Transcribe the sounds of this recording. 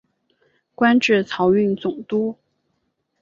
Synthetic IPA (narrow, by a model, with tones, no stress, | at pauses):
kwa˥nʈ͡ʂɻ̩˥˩t͡sʰɑ˧˥ʊy˥˩nt͡sʊ˨˩ŋt̪u˥